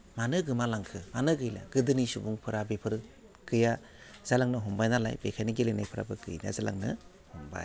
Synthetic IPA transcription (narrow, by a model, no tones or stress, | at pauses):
manɯɡɯmalaŋkʰɯmanɯɡɯjla̰ɡ̥ɯdɯnisubuŋpʰɯɾabepʰɯɾ | ɡɯja | z̥alaŋnɯɦɔmbajnala̰jbekʰajniɡilena̰jpʰɯɾa̰bɯɡɯjna̰zala̰ŋnɯ̰ | hɔmba̰j